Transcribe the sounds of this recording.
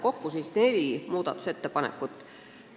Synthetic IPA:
ko̞kːusisne̞limuːd̪̥ɑt̪ːˑu̥se̞t̪ːepɑnḛkːˑut̪ːˑ

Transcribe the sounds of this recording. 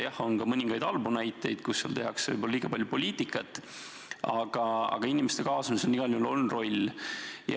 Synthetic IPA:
jɑho̞nkɑmɤnʲiŋɡ̥ɑjd̪̥ɑlbunæjt̪ːˑe̞jd̪̥kusːeɑ̰lt̪e̞ɦɑksvɤ̰jbolɑliːɡ̥ɑpɑlʲjupo̞lʲiːt̪ikːˑɑt̪ːˑ | ɑɡ̥ɑɑ̰ɡ̥ɑinimest̪e̞kɑːsɑmisnːiɡ̥ɑlʲiulo̞lnro̞lʲ | jɑ̰

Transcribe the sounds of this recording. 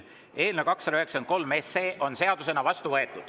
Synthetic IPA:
e̞ːlnekɑksːɑd̪ɑyɦeksɑnt̪̚ko̞lmese̞ːʔo̞nse̞ɑd̪use̞nɑvɑst̪uvɤe̞t̪ːˑud̪̥

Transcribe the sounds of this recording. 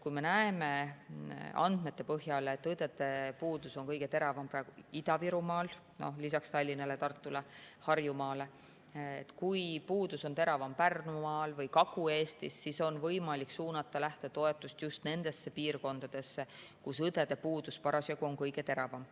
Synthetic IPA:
kujme̞næeme̞ | ɑ̰nd̪̥̚me̞t̪ːe̞pɤɦjɑleːt̪ːˑɯd̪̥e̞d̪e̞puːd̪̥uso̞nkɤjɡ̥e̞t̪e̞ɾɑvɑmprɑeɡ̥uid̪̥ɑviɾumɑːl | no̞̰hlisɑkst̪ɑlʲːinɑlet̪ɑrt̪ːˑulehɑrjumɑːle̞ | ḛt̪ːkujpuːd̪̥uso̞nt̪e̞ɾɑvɑmpærnumɑːlvɤjkɑkue̞ːst̪isːiso̞nvɤjmɑliksuːnɑt̪ːˑɑlæht̪et̪o̞e̞t̪ːˑust̪just̪ne̞nd̪̥e̞sːe̞piːrko̞nd̪̥ɑd̪̥e̞sːekusɯd̪e̞d̪̥e̞puːd̪̥uspɑɾɑsjɑɡuo̞ŋkɤjɡ̥e̞t̪e̞ɾɑvɑm

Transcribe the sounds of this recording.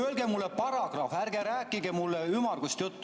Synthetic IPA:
ølɡ̥emulːepɑɾɑɡ̥rɑːfærɡ̥eɾæːkːˑiɡemulːeymɑrɡust̪jut̪ː

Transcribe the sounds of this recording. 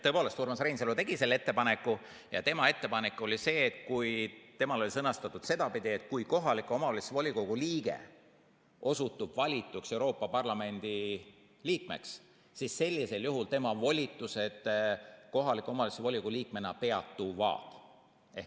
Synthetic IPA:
t̪ɤpoːlest̪uːɾemɑsrejnselut̪e̞ɡ̥ise̞lːe̞t̪ːe̞pɑnekːˑu | jɑt̪e̞mɑe̞t̪ːe̞pɑnekːˑo̞lʲise̞ːt̪kujt̪e̞mɑlo̞lisɤnɑst̪ɑt̪ːˑud̪se̞d̪ɑpid̪iet̪̚kujko̞ɦɑlikːˑuomɑolisevolʲiko̞ɡ̥uliːɡ̥e̞̰ | ʔo̞sut̪ːˑub̥vɑlʲit̪ːˑukse̞uɾo̞ːpːˑɑpɑrlɑme̞nʲd̪̥i | liːk̚me̞̰ks | sisːe̞lʲːise̞ljuɦult̪e̞mɑvo̞lʲit̪ːˑuse̞d̪̥ko̞ɦɑlikˑo̞mɑlisevolʲikuliːk̚me̞nɑpe̞ɑt̪ːuvɑ̰ːt̪ | e

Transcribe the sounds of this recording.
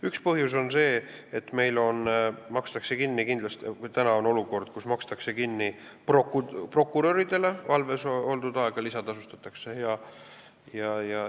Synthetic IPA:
ykspɤɦjus̬o̞nse̞ː | et̪ːme̞jlo̞nmɑkst̪ɑkse̞kinːikind̪lɑst̪kt̪ænɑo̞no̞luko̞rd̪̥kusmɑkst̪ɑkse̞kinːiprokupro̞kːˑuɾoɾid̪̥e̞le̞vɑlve̞so̞ld̪ud̪ɑeɡ̥ɑlisɑd̪ɑsust̪ɑt̪ːˑɑkse̞hejɑ | jɑjɑ

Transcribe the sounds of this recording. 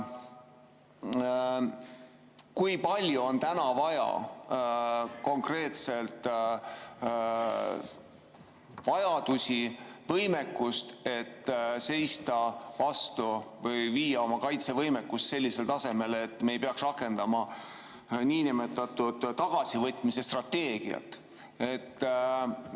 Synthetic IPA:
kujpɑlʲjuo̞nt̪ænɑvɑjɑ̰ | ko̞ŋkre̞ːt̪se̞lt̪ˑ | vɑjɑd̪̥usʲivɤjme̞kːˑust̪e̞t̪ːse̞jst̪ɑvɑst̪uvɤjviːjɑo̞mɑkɑjt̪se̞vɤjmekːust̪se̞lʲːise̞lt̪ɑse̞me̞let̪ːme̞jpeɑksrɑkːˑe̞nd̪̥ɑmɑ | niːnime̞t̪ːˑɑt̪ud̪̥t̪ːɑɡ̥ɑsivɤt̪ːˑmise̞st̪rɑt̪ːe̞ːɡ̥iɑ̰t̪ːˑ | et̪ː

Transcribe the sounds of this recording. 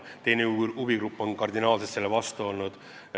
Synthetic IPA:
t̪e̞jneubiɡrupːˑo̞nkɑrd̪inɑːlset̪selːevɑst̪uo̞lnud̪̥

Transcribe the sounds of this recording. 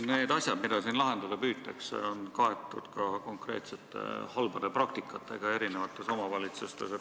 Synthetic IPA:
ne̞ːd̪ɑsʲjɑd̪mid̪̥ɑsiːnlɑɦe̞nd̪̥ud̪ɑpyːt̪t̪ːˑɑksḛo̞nkɑe̞t̪ːˑṵd̪̥kɑko̞ŋkre̞ːt̪se̞t̪ːˑe̞̰hɑlbɑd̪̥eprɑk̚t̪ikːˑɑt̪ˑːe̞ɡ̥ɑe̞ɾine̞vɑt̪ːˑe̞somɑvɑlit̪sust̪ese

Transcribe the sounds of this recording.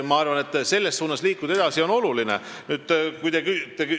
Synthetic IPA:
mɑɑrvɑne̞t̪ːˑse̞lːe̞ssuːnɑsliːkːud̪̥ɑe̞d̪̥ɑsio̞no̞lulinḛ | nyːd̪̥kujd̪ekyt̪ey

